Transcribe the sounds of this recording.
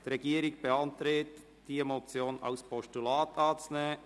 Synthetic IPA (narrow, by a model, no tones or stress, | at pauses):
d̥iɾɛɡiːəɾɪk̚b̥eɑntɾet | d̥iːemot͡sjoːna̰ʊspʰɔʃtulaːtɑːt͡snə